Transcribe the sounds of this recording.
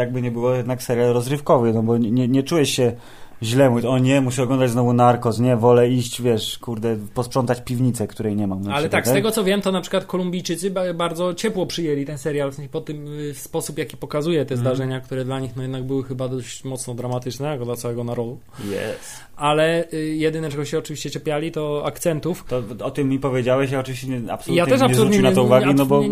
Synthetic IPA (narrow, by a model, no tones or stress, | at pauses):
jaɡ̚bɘɲɛbɘwɔjɛd̪naksɛɾʲjalɾɔzɾɘfkɔvɘnɔbɔɲɛɲɛt͡ʂujɛɕɕɛ | ʑlɛmuɔɲɛmuɕiɔɡlɔnd̪ad͡ʑznɔvunaɾkɔsɲɛvɔlɛiɕt͡ɕvʲjɛʂkuɾd̪ɛpɔspʂɔnt̪at͡ɕpʲivɲit̪sɛkt̪uɾɛjɲɛmamnaalɛt̪akst̪ɛɡɔt̪sɔvʲjɛmt̪ɔnapʂɘ̥kwat̪kɔlumbʲijt͡ʂɘt̪sɨbaɾd̪zɔt͡ɕɛpwɔpʂɨjɛlʲit̪ɛnsɛɾjalspɔt̪ɘmspɔsupjakʲipɔkazujɛt̪ɛzd̪aʐɛɲak̚t̪uɾɛd̪laɲixnɔjɛd̪naɡ̚bɘwɘxɘbad̪ɔɕt͡ɕmɔt̪snɔd̪ɾamat̪ɘt͡ʂnɛjakɔd̪lat̪awɛɡɔnaɾɔd̪u | jɛ̰s | ʔalɛjɛd̪ɘnɛʈ͡ʂɛɡɔɕɛɔt͡ʂɨvʲiɕt͡ɕɛt͡ɕɛpʲjalʲit̪ɔakt̪sɛnt̪uft̪ɔɔt̪ɪmːipɔvʲjed͡ʑawɛɕjaɔt͡ʂɨvʲiɕt͡ɕɛɲɛa̰psɔiujatɲɛʂapɲsɔluɾuɲt͡ɕeinat̪ɛuvaɡinɔbɔ